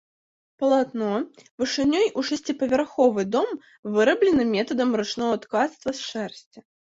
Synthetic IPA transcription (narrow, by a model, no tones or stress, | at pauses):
pɐlˠat̪nɔvɨʂɨnʲɔjʔuʂɛsʲt͡sʲipɐvʲɛrxɔvɨd̪ɔm | vɨɾɐblʲɪnɨmʲɛt̪ɐd̪ɐmɾɨt͡ʂnɔɣɐt̪kat̪st̪vɐsʂɛrsʲt͡sʲɐ